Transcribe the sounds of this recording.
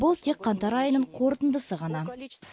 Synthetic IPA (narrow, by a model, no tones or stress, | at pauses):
bʊlˠt̪ʰe̞kqːɑnt̪ɑɾɑjənəɴqʰo̞ɾt̪ənd̪əsəʁɑnɑ